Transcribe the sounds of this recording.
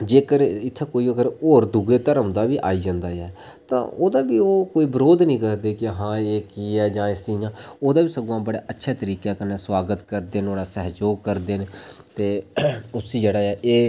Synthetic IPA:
d͡ʒeːkəɾɪt̪ʰːeːkoːiːəkəɾoːɾd̪ʊɡeːt̪əɾəmd̪aːʋiːʔaːiːd͡ʒãːnd̪aːɛː | t̪ã̰ːoːd̪aːbiːoːkoːiːbəɾoːd̪nĩːkəɾd̪eːkɪɦãːeːkiːɛːd͡ʒãːɪsĩːãːoːd̪aːbiːsəɡõãːbəɽa̰ːʔətːʃʰɛːt̪əɾiːkaːkəneːswaːɡət̪kəɾd̪eːnoːɽaːsɛːɦd͡ʒoːɡ̚kəɾd̪eːnt̪eːʊsiːd͡ʒeːɽaːɛːʔeː

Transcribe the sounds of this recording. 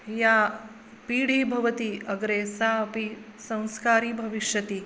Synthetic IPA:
jaː | piːɽ̤iːbʱɐʋɐt̪iɐɡɾeːsaːɐpisɐ̃w̃skaːɾiːbʱɐʋiʃjɐt̪i

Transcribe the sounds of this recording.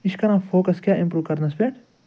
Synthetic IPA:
iʃkɐɾãːfoːkɐskʲjaːʔĩmpɾuːkɐɾnɐspeːʈ

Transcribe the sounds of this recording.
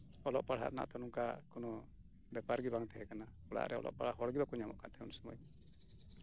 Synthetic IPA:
ɔlɔʔpaɽa̰ʔna̰ʔt̪ɔnuŋkakɔnɔ | bɛpaɾɡibaŋt̪ɛɦɛkanakuɽa̰ʔɾɛɔ̰lʔɔ̰ʔpaɽaɦɔɽɡibakuɲamɔʔkaʔt̪ɛunsɔmɔ̰j

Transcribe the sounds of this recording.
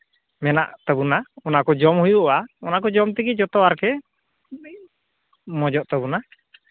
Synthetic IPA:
mɛna̰ʔt̪abunaɔnakɔd͡ʒɔmhujuʔɔʔaɔnakɔd͡ʒɔmt̪iɡid͡ʒɔt̪ɔaɾkɛ | mɔd͡ʒɔʔt̪ɔbuna

